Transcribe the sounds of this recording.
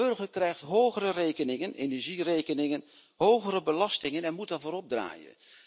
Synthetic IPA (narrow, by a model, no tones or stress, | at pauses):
ɵrχəɹkrɛjχtɦowχərərejkənɪŋənʔenɛɹʒirejkənɪŋən | ɦowχəɾəbəlɑstɪŋənɛnmutaɹvʊːɾɔb̚dra̰ːjə̰n